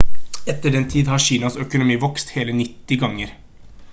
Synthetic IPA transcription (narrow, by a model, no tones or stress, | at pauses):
ɛt̪ːəɖɛnt̪ʰiːd̪hɑɕiːnɑsœkʊnʊmiːʋɔkst̪heːlənɪt̪ːɪɡɑŋːəɾ